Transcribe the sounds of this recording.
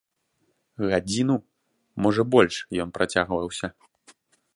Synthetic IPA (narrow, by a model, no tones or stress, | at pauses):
ɣad͡zʲinu | mɔʐɐbɔlʲʂjɔnpɾat͡sʲaɣvɐwsʲɐ